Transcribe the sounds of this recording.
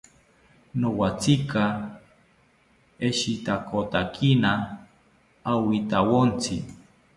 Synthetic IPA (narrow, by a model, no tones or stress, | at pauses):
nowat͡sika | eʃit̪akʰot̪akʰina | wit̪awont͡sʰḭ